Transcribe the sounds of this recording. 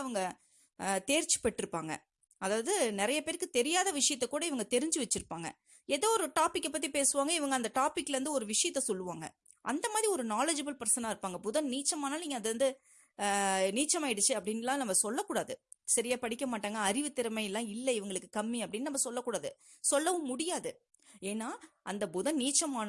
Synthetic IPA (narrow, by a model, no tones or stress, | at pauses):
ɐʋɐŋɡɐ | t̪eːɾt͡ʃːɯ̥pɛʈːɪɾɯpːaːŋɡɐ̰ | ɐðaːʋɐðɯnɪɾɐjɐpeːɾkːɯt̪ɛɾɪjaːðɐʋɪʂɐjɐt̪ːɛkːuːɽɐɪʋɐŋɡɐt̪ɛɾɪɲd͡ʒɯʋɛt͡ʃːɯɾɯpːaːŋɡɐ̰ | ɛðɐɔɾɯʈaːpɪkːɛpːɐt̪̬ːipeːsɯʋaːŋɡɐɪʋɐŋɡɐnd̪ɐʈaːpɪkːlɛɾɐnd̪ɯɔɾɯʋɪʂɐjɐt̪ːɛsɔlːɯʋaːŋɡɐ̰ | ʔɐ̰nd̪ɐmaːðɾiɔɾɯnaːlɐd͡ʒɐbɐlpɐɾsɐnaːɪɾɯpːaːŋɡɐpʊðɐnniːt͡ʃːɐmaːnaːlniːŋɡɐðɐɾɐnd̪ɯ | niːt͡ʃːɐmaːɪɽɯt͡ʃːɯɐpːɐɽɪnɪlãːnɐmːɐsɔlːɐkːuːɽaːðɯ | sɐɾɪjaːpɐɽɪkːɐmaːʈːaːŋɡɐːɾɪʋɯt̪ːɪɾɐmɐɪɛlːãːɪlːɐɪʋɐŋɡɐɭɯkːɯkɐmːiɐpːɐɽɪnːɯnɐmːɐsɔlːɐkːuːɽaːðɯ | sɔlːɐʋɯ̃mʊɽɪjaːðɯ | eːnːaːɐnd̪ɐbʊðɐ̃niːt͡ʃːɐmaːn